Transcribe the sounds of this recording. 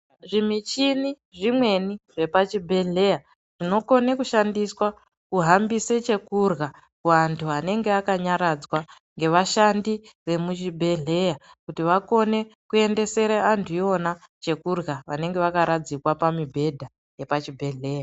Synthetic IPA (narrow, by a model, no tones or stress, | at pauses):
ʐimit͡ʃini | ʐimwe̞niʐe̞pat͡ʃibʱe̞ɮe̞ja | ʐ̥ino̞ko̞ne̞kuʃandiswa | kuɦambiset͡ʃe̞kurɣa | kuʋantʰuane̞ŋɡeakaɲaɾad͡zwa | ŋɡe̞ʋaʃandiʋe̞mut͡ʃibʱe̞ɮe̞ja | kutiʋako̞ne̞kue̞nde̞se̞ɾaantʰuo̞na | t͡ʃe̞kurɣaʋane̞ŋɡe̞ʋakaɾad͡zikwapamibʱe̞dʱa | je̞pat͡ʃibʱe̞ɮe̞ːja